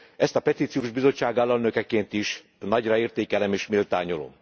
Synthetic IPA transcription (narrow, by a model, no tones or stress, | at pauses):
ɛst̪ɒpɛt̪iːt̪sijoːʒbizo̞t͡ʃːaːɡɒlːɒlnø̞kɛkeːnt̪iʃ | nɒɟrɒeːrt̪eːkɛlɛmeːʃmilt̪aːɲolo̰m